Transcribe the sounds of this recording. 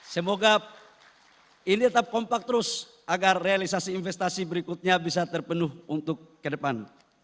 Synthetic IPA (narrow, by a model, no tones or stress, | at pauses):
səmoɡa | init̪ət̪ap̚kɔmpak̚t̪əɾʊs | ʔaɡarːealisasiːnfɛst̪asibəɾikʊt̪̚ɲabisat̪ərpənʊhunt̪ʊkːədəpan